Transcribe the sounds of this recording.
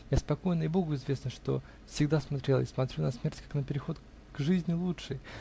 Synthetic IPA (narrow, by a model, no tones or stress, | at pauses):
jaspɐko̞jnəɪbo̞ɡʊɪzvʲe̞snəʂt̪o̞̰ | fsʲɪɡd̪asmat̪ɾʲe̞lˠə̰ismɐt̪ɾʲunɐsmʲertʲkḁknəpʲɪɾʲɪxo̞t̪ | ɡ̥ʐɨzʲnʲɪlˠutʂɨj